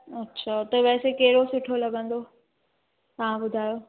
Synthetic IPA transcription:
ɐtːʃʰaːt̪ɐʋɛːsekeːɪɾosʊʈʰolɐɡə̃nd̪o | t̪ɐʋ̤ãbʊd̪ʱaːjoː

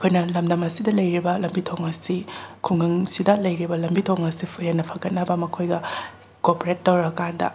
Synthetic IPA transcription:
ɐkʰojnɐlɐmdɐmɐsidɐlɐjɾibɐlɐmbitʰoŋɐsikʰuŋɯŋsidɐlɐjɾibɐlɐmbitʰoŋɐsipʰujenːɐpʰɐɡɐt̚nɐbɐmɐkʰojɡɐ | kopoɾetːowɾɐkandɐ̰

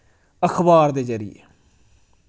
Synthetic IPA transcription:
əxʰbaːɾd̪eːzəɾḭjḛː

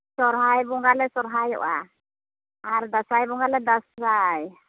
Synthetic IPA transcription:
sɔɾɦajbɔŋɡalɛsɔɾɦajɔ̰ʔa | aɾd̪asajbɔŋɡalɛd̪asɾaj

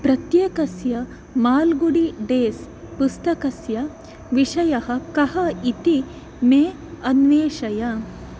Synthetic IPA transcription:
pɾɐt̪jeːkɐsjɐ | maːlɡuɽiɖeːs | pust̪ɐkɐsjɐ | ʋiʂɐjɐɦɐkɐɦɐit̪i | meː | ɐnʋeːʃɐjɐ

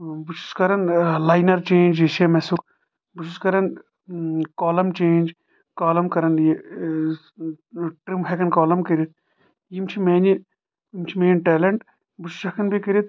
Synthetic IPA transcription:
but͡ʃʰu̥skɐɾɐnlaːjnɐɾt͡ʃẽːnʲd͡ʒeʃɐmesuk | but͡ʃʰuskɐɾɐn | kaːlɐmt͡ʃeːnʲd͡ʒ | kaːlɐmkɐɾɐnje | ʈɾimɦekɐnkaːlɐmkɐɾʲit̪̚ | jimt͡ʃʰimeːni | imt͡ʃʰimeːnʲʈɛːlɐɳʈ | but͡ʃʰu̥sɐkʰɐnbʱikɐɾʲit̪̚

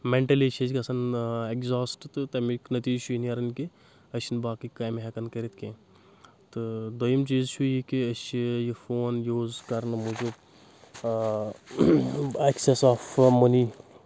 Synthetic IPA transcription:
meɳʈɐlet͡ʃʰed͡ʒkɐsɐnekzaːsʈt̪ɨt̪ɐmiknɐt̪iːt͡ʃʰuiniɐɾɐnki | ɐt͡ʃʰinbaːkikaːmɦɐkɐnkɐɾit̪̚ʰkʰẽ | t̪ɨd̪ojimt͡ʃiːzt͡ʃʰujikiɐʃijifoːnjuːzkɐɾnɨmud͡ʒub | eksesaːfmɐni

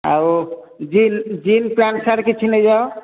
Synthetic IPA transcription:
a̰w | d͡ʒind͡ʒinpɾansaɾkit͡ʃʰined͡ʒa

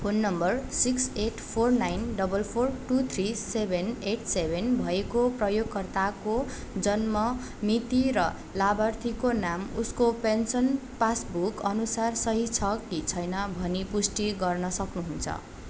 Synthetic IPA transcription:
pʰonːʌmbʌrsikseʈpʰornajnɖʌbʌlpʰorʈut̪ʰrisebʱeneʈʰsebʱenbʱʌekoprʌjoɡ̚kːʌrt̪ako | d͡zʌnmʌ | mit̪iɾʌ | labʌrt̪ʰikonamuskopensʌnpasbukʌnusarsʌɦit͡sʰʌkit͡sʰʌjnʌbʱʌnipusʈiɡʌrnʌsʌknuɦunt͡sʰʌ̰

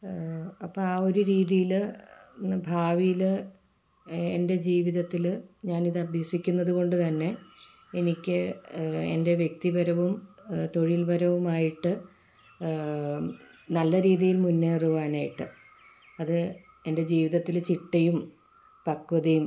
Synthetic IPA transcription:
ɐpːɐaːo̞ɾuɾiːðijil | bʱaːʋijil | ende̞d͡ʑiːʋiðɐt̪ːilɲaːniðɨɐbʱjɐsikʲːunːɐðuɣo̞ɳɖɨt̪ɐnːe̞ | enikʲːɨ | ḛnde̞ʋje̞k̚t̪ibɐɾɐʋumt̪o̞ɻilbɐɾɐʋumaːjiʈːɨ | nɐlːɐɾiːðijilmunːeːruʋaːnaːjiʈːɨ | ɐðɨ | e̞nde̞d͡ʑiːʋiðɐt̪ːilt͡ɕiʈːɐjum | pɐkːʋɐðɐjum

